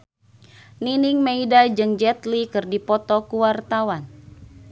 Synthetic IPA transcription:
niniŋmeidad͡ʒɨŋd͡ʒɛt̪likɨrdipɔt̪ɔkuwart̪awan

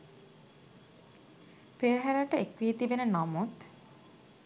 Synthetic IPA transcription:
peɾɦæɾaʈəekʋijet̪ibenənamut̪

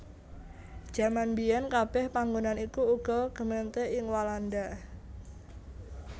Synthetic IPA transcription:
d̥ʒ̥a̤manbijankab̥ɛhpaŋɡunanikuuɡ̥ɔ̤ɡ̥əment̪eɪŋwaland̪a

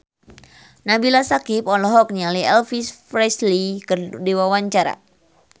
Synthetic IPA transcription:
nabilasakipɔlɔɦɔk̚nialiɛlfisfɾɛslikərdiwawaɲt͡ʃaɾa̰

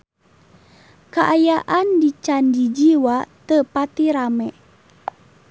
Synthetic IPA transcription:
kaʔajaʔandit͡ʃandid͡ʒiwat̪əpat̪iɾamɛʔ

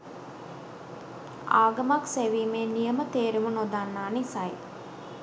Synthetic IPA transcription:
aːɡəmakseʋiːmeːnijəmət̪eːɾumunod̪anːaːnisaj

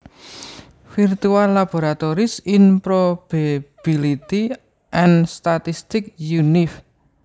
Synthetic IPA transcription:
firt̪ualːab̥oɾat̪oɾɪsɪnpɾob̥ab̥ilit̪i | ʔɛnst̪at̪ist̪ɪk̚junɪf

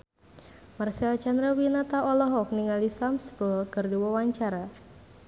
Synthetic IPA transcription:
marsɛlt͡ʃanɾawinat̪aʔɔlɔɦɔk̚niŋalisamsbəlkərdiwawaɲt͡ʃaɾa

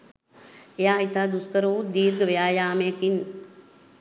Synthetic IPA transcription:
ejaːɦit̪ad̪uskəɾout̪̚d̪iːɾɡəʋjaːjaːmekin

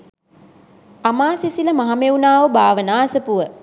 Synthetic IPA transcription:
amaːsisiləmaɦameunaːʋəbʱaːʋənaːɐsəpuʋə

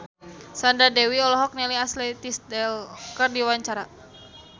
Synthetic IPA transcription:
sandadɛwiɔlɔɦɔk̚nɛliaslɛt̪isdɛlkərdiwaɲt͡ʃaɾa

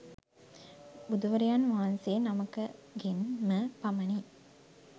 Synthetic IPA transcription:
bud̪uʋɐɾijaːnʋaːnseːnɐmɐkːɨɡenməpɐmɐni

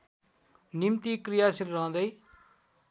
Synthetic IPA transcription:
nimt̪ikɾijasilɾəɦõd̪əi

